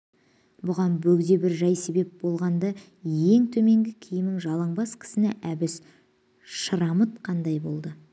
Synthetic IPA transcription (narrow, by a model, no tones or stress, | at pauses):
bʊʁɑnbɵɡd̪e̞bɪɾʒɑjse̞be̞p̚bo̞lˠʁɑnd̪ɑ | je̞ŋt̪ʰɵme̞ŋɡʲɪkʲʰɪjɪmɪŋʒɑlˠɑɴbɑskʲʰɪ̥sɪnɪʔæbɪs | ʃəɾɑmət̪qʰɑnd̪ɑjbo̞lˠd̪ə